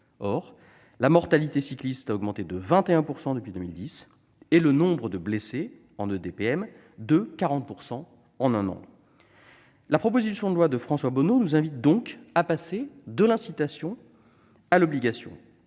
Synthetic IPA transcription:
ɔʁ | lamɔʁt̪alit̪esiklist̪aɔɡmɑ̃t̪ed̪əvɛ̃t̪eɛ̃puʁsɑ̃d̪əpɥid̪əmild̪is | ɛlənɔ̃bʁəd̪əblese | ɑ̃nød̪epeɛm | d̪əkaʁɑ̃t̪̚puʁsɑ̃ | ɑ̃nɛ̃nɑ̰̃ | lapχɔpozisjɔ̃d̪əlwad̪əfχɑ̃swabɔnonuzɛ̃vit̪̚d̪ɔ̃kapased̪əlɛ̃sit̪asjɔ̃ | alɔbliɡasjɔ̰̃

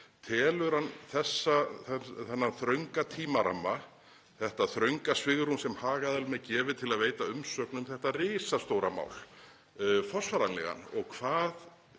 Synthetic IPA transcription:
t̪ʰɛːlʏɾhanːθɛsːaθɛnːaθɾœɥŋkat̪ʰiːmaɾa̰mːa | θɛht̪aθɾœɥŋkasvɪɣɾunsɛmhaːɣaðɛlmɛðcɛːvɪðt̪ʰɪlaðveːjt̪aʏmsœːknʏmθɛht̪arɪːsast̪owɾama̰wl̥ | fɔsvaɾanlɛ̰ɣa̰nɔɣkʰv̥aːð

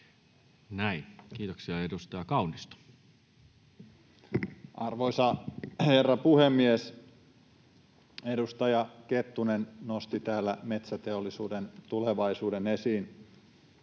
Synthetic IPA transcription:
næinkiːt̪oksiɑedust̪ɑjɑkɑunist̪ɑ̥ | ʔɑrʋoisɑherːɑpuhemːies | e̞dust̪ɑjɑket̪ːunennost̪it̪æːlːæ̰me̞t̪sæt̪e̞olːisuːdent̪uleʋɑisuːdenesiːn

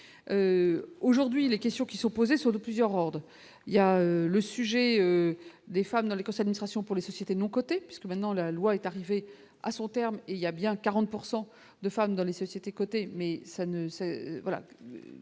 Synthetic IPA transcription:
øoʒuʁd̪ɥilekʲɛst̪jɔ̃kʲisɔ̃pozesɔ̃d̪əplyzjœʁɔʁd̪ʁ | iljaøləsyʒɛød̪efamd̪ɑ̃lekɔ̃sɛdad̪inist̪χasjɔ̃puʁlesɔsjet̪enɔ̃kɔt̪epɥi̥skəmɛ̃t̪nɑ̃lalwaɛt̪aʁive | a̰sɔ̃t̪ɛʁmeiljabjɛ̃kaʁɑ̃t̪̚puʁsɑ̃ | d̪əfamd̪ɑ̃lesɔsjet̪ekɔt̪emɛsanəsɛvwala̰

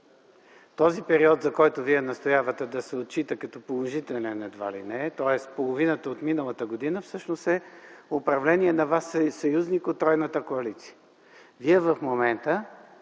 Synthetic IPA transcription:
t̪ɔzipɛɾiɔt̪zɐkɔjt̪ʊviɛnɐst̪ojavət̪ɛd̪ɐsɛot̪̚t͡ʃit̪əkɐt̪ɔpolˠoʒit̪ɛlʲɛnɛd̪va̰lḭnɛt̪ɔɛspolˠovinət̪əot̪minəlˠət̪əɡod̪inəfsɤʃnost̪ɛopɾɐvlɛnʲiɛnɐvassɐjuznikot̪ːɾɔjnət̪əkoɐlit̪si̥jə | viɛvəfmomɛnt̪ə

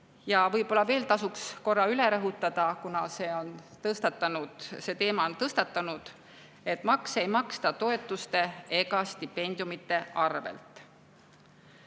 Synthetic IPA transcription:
jɑvɤjbo̞lːɑve̞ːlt̪ɑsuksko̞rːɑyle̞ɾɤɦut̪ːˑɑd̪̥ɑkunɑse̞ːo̞nt̪ɤst̪ɑt̪ːˑɑnud̪̥se̞ːt̪e̞ːmɑo̞nt̪ɤst̪ɑt̪ːˑɑnud̪̥ | e̞t̪ːˑmɑkse̞jmɑkst̪ɑt̪o̞e̞t̪ːˑust̪e̞e̞ɡ̥ɑst̪ipːe̞nʲd̪̥jumit̪ːˑe̞ʔɑrvḛlt̪ˑ

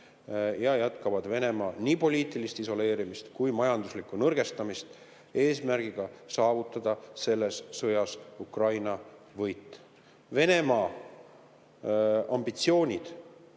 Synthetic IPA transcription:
jɑjæt̪kɑvɑd̪̥ve̞ne̞mɑːniːpo̞lʲiːt̪ːˑilist̪iso̞le̞ːɾimist̪kujmɑjɑnd̪uslikːˑunɤrɡ̥e̞st̪ɑmist̪ | e̞ːsmærɡ̥iɡ̥ɑsɑːvut̪ːˑɑd̪̥ɑse̞lːe̞sːɤjɑsukrɑjnɑ | vɤjt̪ːˑ | ve̞ne̞mɑː | ɑmbit̪sio̞ːnʲid̪̥

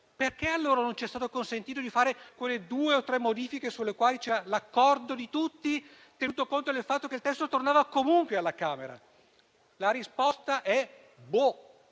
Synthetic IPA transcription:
perkealːoːɾanont͡ʃiɛst̪aːt̪okonsent̪iːt̪od̪ifaːɾekwelːed̪uːeot̪ːɾɛmːod̪iːfikesulːekwaːlit͡ʃɛːɾalakːɔrd̪od̪it̪ut̪ːi | t̪enuːt̪okont̪od̪elfat̪ːokelt̪ɛst̪ot̪ornaːvakomuŋkwealːakaːmeɾa̰ | laɾispɔst̪aʔɛ | bo

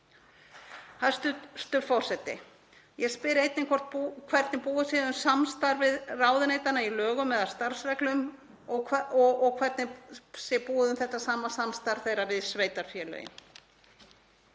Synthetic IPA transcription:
hast̪st̪ʏfɔwr̥sɛt̪ːɪ̰ | jɛspɪɾɪejt̪nɪŋkʰɔr̥t̪pukʰvɛɾt̪nɪpuːðʏsjɛðʏmsamst̪aɾvɪðraːwðʏneːjt̪anːailœːɣʏmːɛðast̪aɾ̥sɾɛklʏm | ɔɔɔɣkʰvɛɾt̪nɪsɛpuːðʏmθɛht̪ːasaːmasamst̪aɾ̥θejɾavɪðsveːjt̪aɾ̥fjɛlœ̰jɪ̰m

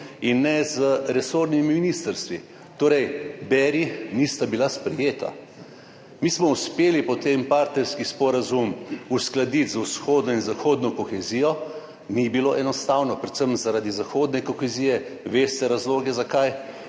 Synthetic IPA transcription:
inːɛzəɾɛsoːɾnimiminist̪əɾst̪ʋḭ | t̪oːɾɛjbɛɾinist̪abilaspɾɛjeːt̪a̰ | mismɔuspeːlipɔt̪empaɾt̪nɛɾskispɔɾazumusklad̪it̪zusxoːd̪nɔinzaxoːd̪nɔkɔxɛzijɔ | nibiloʔɛnɔst̪awnɔpɾɛt̪səmzaɾad̪izaxoːd̪nɛkɔxɛziːjɛ | ʋeːst̪ɛɾazloːɡɛzakaj

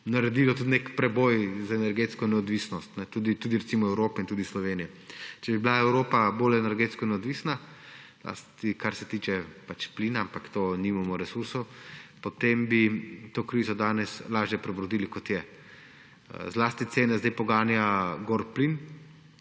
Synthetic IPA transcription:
naɾɛd̪iːlɔt̪ut̪nekpɾɛbɔjzaɛnɛɾɡet̪skɔnɛɔd̪ʋiːsnɔst̪nɛt̪ud̪it̪uːd̪iɾɛt̪simɔɛwɾoːpɛint̪uːd̪islɔʋeːnijɛ | t͡ʃɛbiblaɛwɾoːpaboːlɛnɛɾɡeːt̪skɔnɛɔd̪ʋiːsna | z̥la̰st̪ikaɾsɛ̥t̪iːt͡ʃɛpat͡ʃpliːnaampakt̪oːnimamɔɾɛsuɾsɔwpɔt̪embit̪okɾiːzɔd̪aːnɛslaːʒjɛpɾɛbɾɔd̪iːlikɔt̪jɛ | zlaːst̪it̪seːnɛzd̪ajpɔɡaːnjaɡoɾplin

